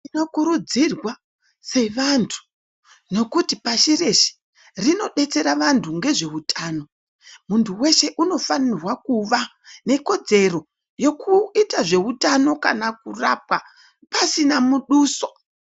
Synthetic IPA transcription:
ino̞kuɾud͡zirwa | se̞ʋantʰu̥ | no̞kutipaʃire̞ʃi̥ | rino̞ɗe̞t͡se̞ɾaʋantʰuŋɡe̞ʐe̞utʰaːno̞ | muntʰuwe̞ʃe̞ʔuno̞fanirwakuʋa | ne̞ko̞d͡ze̞ro̞ | jo̞kʰuitaʐe̞utano̞kanakurap̚wa | pasinamuɗuːso̞̥

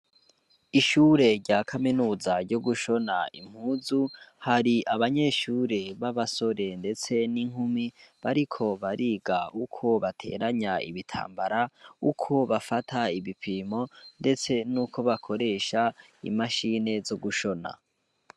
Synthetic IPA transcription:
iʃuːɾe̞ɾɟaːkʰaminuːzaɾɟo̞ɡuʃo̞naḭm̥huːzuhaɾiʔaβaɲe̞ːʃuːɾe̞βaβaso̞ɾe̞nde̞t͡se̞niŋ̥humiβaɾikʰo̞βaɾiːɡaukʰo̞βatʰe̞̰ːɾaɲaḭβitʰa̰ːmbaɾaukʰo̞βafatʰaiβipʰimo̞nde̞t͡se̞nuːkʰo̞βakʰo̞ɾe̞ːʃa | ḭmaʃine̞zo̞ɡuʃo̞na̰

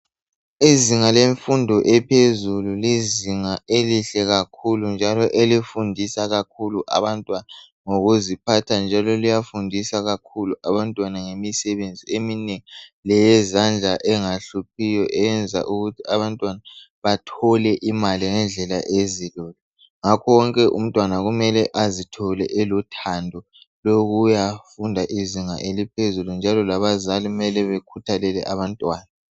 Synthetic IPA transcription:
iziŋaleɱfundʱɔʔɛpʰezululiziŋaeliɬɛɣakʰulund͡ʒʱalɔʔelifundʱisaɣakʰuluʔa̰βantʼwana | ŋoɣuzipʰatʰand͡ʒʱalɔlijafundʱisaɣakʰuluʔaβantʼwanaŋemisɛβend͡zʱiemineŋiilɛjɛzand͡ɮʱaʔɛŋaɬup̚ʰijɔʔɛnd͡zʱa̰ʔuɣutʰiaβantʼwana | βatʰɔlɛʔimaliŋɛnd͡ɮʱɛlaʔezilɔːlɔ | ŋakʰɔwɔŋkʼɛʔṵm̩tʼwanaɣumɛlɛʔazitʰɔlɛʔɛlutʰandʱɔ | loɣujafundʱaʔiziŋa̰ʔelipʰezulund͡ʒʱalɔlaβazaliɣumɛlɛβekʰutʰalɛlɛ̰ʔaβantʼwaːna

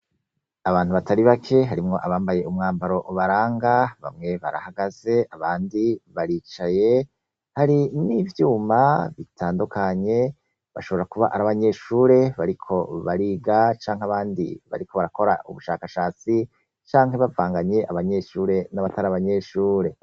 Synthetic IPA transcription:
aβaːn̥huβatʰaɾiβakʰe̞ɦaɾimŋo̞ʔaβaːmbaje̞umŋaːmbaɾo̞ʔuβaɾaːŋɡaβa̰mŋe̞βa̰ɾa̰haɡaz̥e̞ʔaβaːndiβaɾiːt͡ʃaje̞ | haɾinivjuːmaβitʰaːndukaɲe̞ | βa̰ʃo̞βoɾakuβa̰ʔaɾaβaɲe̞ʃuːɾe̞βaɾikʰo̞βaɾiːɡat͡ʃaːŋ̥ɦaβaːndḭβa̰ɾiko̞βaɾako̞ɾa̰ʔṵβuʃaːkaʃaːt͡si | t͡ʃaːŋɦe̞βavaːŋɡaɲe̞ʔaβaɲe̞ʃuːɾe̞naβataɾaβaɲe̞ʃuːɾe̞

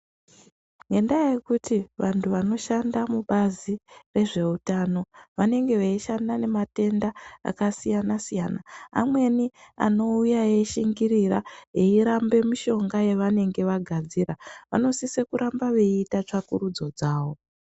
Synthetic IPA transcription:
ŋɡendajekutʰiʋantʰuʋano̞ʃandamuɓazire̞ʐe̞utano̞ʋane̞ŋɡe̞ʋeiʃandane̞mate̞ndaa̰kasijanasijanaa̰mwe̞nia̰no̞ujaeʃiŋɡiɾiraeiɾambe̞miʃo̞ŋɡaje̞ʋane̞ŋɡe̞ʋaɡʱad͡ziraʋa̰no̞sisekuɾʔambaʋe̞itat͡ʂakuɾud͡zo̞d͡zaːwo̞

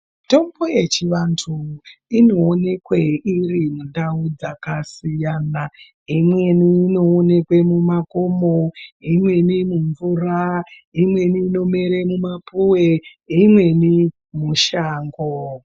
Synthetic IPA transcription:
to̞mboje̞t͡ʃiʋantʰuino̞ːne̞kweirimundaud͡zakasijana | imwe̞niːno̞ːne̞kwe̞mumako̞moimwe̞nimuɱvura | imwe̞niːno̞meɾemumapuweimwe̞ni | muʃaːŋɡo

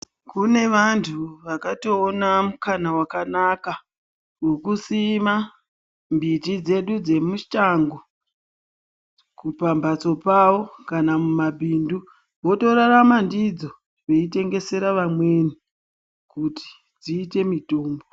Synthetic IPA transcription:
kune̞ʋantʰuʋakato̞ːnamukanawakanaka | kokusima | mbitid͡ze̞ɗud͡ze̞muʃaŋɡo̞ | kupambat͡so̞pawo̞kanamumabʱindu | ʋo̞to̞ɾaɾamandid͡zo̞ | ʋe̞ite̞ŋɡe̞se̞ɾaʋamwe̞ni | kuti̥ | d͡ziːte̞mito̞ːmbo

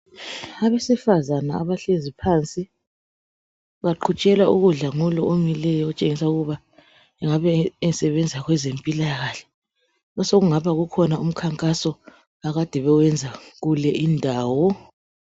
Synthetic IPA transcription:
aβesifazanaa̰βaɬezipʰaːnt͡sʼi | βaǃʰut͡ʃʼɛlauɣuɮaŋulɔʔomilɛjɔɔt͡ʃʼeŋisauɣuβa | ɛŋaβɛsɛβɛnd͡zʱaɣwɛzempʼilaɣaːɬɛ̥ | ɔsoɣuŋaβaɣukʰɔnaum̩kʰaŋkʼasɔ | aɣad̥ʱɛβɛwɛnd͡zʱaɣulɛʔindʱaːwɔ

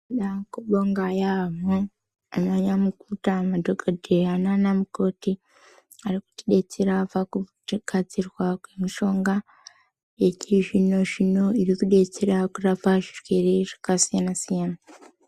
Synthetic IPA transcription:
ɗakuɓoŋɡajamo | anaɲamukutamadoɡʱodʱeananamuko̞ti | aɾiku̥tiɗe̞t͡seɾaːfaku | kad͡zirwakwemiʃo̞ŋɡa | je̞ciʐino̞ʐino̞iɾikuɗe̞t͡seɾakurafaʐirweɾeʐ̥ḁkasijanasijana

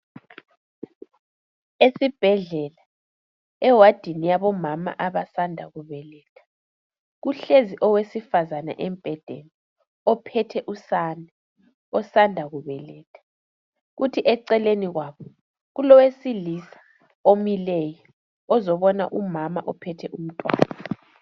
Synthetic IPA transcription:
esib̥ʱɛɮɛla | ɛwad̥ʱinijaβɔmama̰ʔaβasandʱaɣuβɛlɛːtʰḁ | ɣuɬeziʔɔwesifazana̰ʔɛmb̥ʱɛd̥ʱḛni | ɔpʰɛtʰɛʔusanɛ | ɔsandʱaɣuβɛlɛːtʰḁ | ɣutʰiʔɛǀɛleniɣwaːβɔ | ɣulɔwesilisḁ | omilɛjɔ | ɔzɔβɔna̰ʔumama̰ʔɔpʰɛtʰɛʔum̩tʼwa̰ːnaa

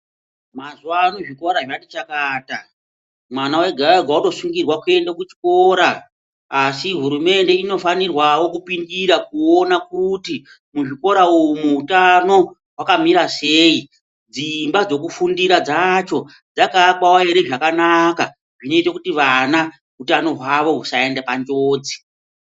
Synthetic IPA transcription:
mazuwanuʐiko̞ɾaʐatit͡ʃakaːta | mwanawe̞ɡʱaɾaɡʱwauto̞suŋɡirwakue̞ndak̬ut͡ʃi̥ko̞ːɾaː | siɦuɾume̞nde̞ino̞fanirwawo̞kupindiɾak̚uonakuti | muʐiko̞ɾauumuutano̞ | ɦwakamiɾase̞ːi | d͡zimbad͡zo̞k̬ufundiɾad͡zat͡ʃo̞ | d͡zakakawaeɾe̞ʐakanaka | ʐino̞itakutiʋana | ɦutano̞ɦwaʋo̞ɦusae̞ndapand͡ʒoːd͡zi̥

